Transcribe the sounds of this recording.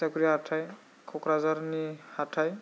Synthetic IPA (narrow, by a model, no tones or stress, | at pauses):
akuɾiatʰaj | kʰɔkɾazaɾnihatʰaj